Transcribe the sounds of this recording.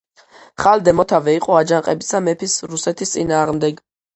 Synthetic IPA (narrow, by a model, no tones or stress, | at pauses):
χald̪ɛmɔt̪ʰavɛiqʼɔad͡ʒaŋqʼɛbisamɛpʰisɾusɛt̪ʰist̪sʼinaːʁmd̪ɛɡ